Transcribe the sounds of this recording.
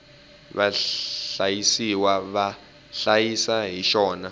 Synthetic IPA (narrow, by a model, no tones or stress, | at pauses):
βaɬajisiwaβa | ɬajisaɦiʃɔːna